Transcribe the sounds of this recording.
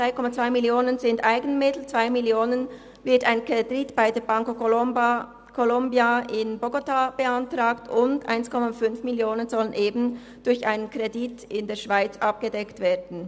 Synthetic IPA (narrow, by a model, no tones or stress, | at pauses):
ʁaɪkʰɔmat͡sv̥aɪmɪljoːnənzɪndʔaɪɡən̩mɪtl̩t͡sv̥aɪmɪljoːnən | vɪɐtaɪnkeditb̥aɪdeːɐbaŋkoko | kʰolɔmbjaɪnboɡotab̥əantʁ̥aːktʰʊndʔa̰ɪnskʰɔmafʏnfmɪljoːnənzɔlənʔeːbn̩ | d̥ʊɾçʔaɪnənkʁ̥ɛditɪndeːɐʃv̥aɪt͡sʔɑp̚ɡ̥ədɛktv̥eːɐdn̩